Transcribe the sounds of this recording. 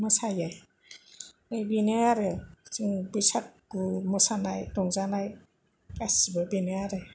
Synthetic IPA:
mɔsajaj | ɯjbinɯaɾɯsɯŋbɯjsak̚ɡumɔsanajdɔŋzanaj | kasibɯbinɯaɾɯ

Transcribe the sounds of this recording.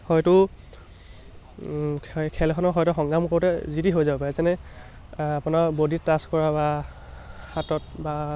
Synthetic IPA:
xɔjtʊ | kʰɛlʰɔnɔxɔjtɔxɔŋɡamkoɹtɛzitiɦojzapaɛsɛnɛ | apʊnaɹbodittːaskɔɹaba | xatɔt̚ba

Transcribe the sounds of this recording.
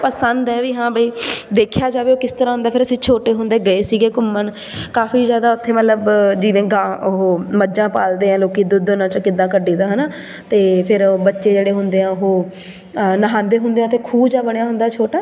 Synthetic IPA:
pəsənd̪ɛːʋiːɦãːbəiːd̪eːkʰjaːd͡ʒaːʋeːoːkɪst̪əɾãːɦʊ̃nd̪aːpʰɪɾəsĩːt͡ʃʰoːʈeːɦʊnd̪eːɡəeːsiːɡeːkʊmːən | kaːfiːzjaːd̪aːʊt̪ʰːeːmət̪ləbd͡ʒiːʋẽːɡãːɦoːməd͡ʒãːpaːld̪eːãːloːkiːd̪ʊd̪onãːt͡ʃõːkɪd̪ːãːkəɖiːd̪aːɦənaː | t̪eːpʰɪɾbətːʃeːd͡ʒeːɽeːɦʊnd̪eːãːoɦoː | nəɦãːnd̪eːɦʊnd̪eːãːt̪eːkʰuːbd͡ʒaːbəɽ̃jaːɦʊnd̪aːt͡ʃʰoːʈaː

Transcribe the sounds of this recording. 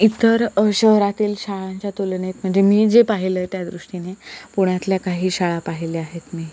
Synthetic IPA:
it̪əɾɕəɦɾat̪iːlɕaɭaɲt͡ɕjat̪olɳet̪m̤əɳd͡zemiːd͡zepaɦilət̪jad̪ɾuʂʈinepuɽ̃at̪ljakaɦiːɕaɭapaɦileaɦet̪miː

